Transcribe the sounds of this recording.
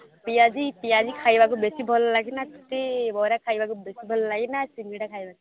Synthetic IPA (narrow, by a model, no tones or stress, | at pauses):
pijad͡ʒipijad͡ʒikʰajbak̬ubesibʱɔllaɡinat̪u̥t̪ebɔɾakʰajbakubesibʱɔllaɡinasiŋɡiɽakʰajbaki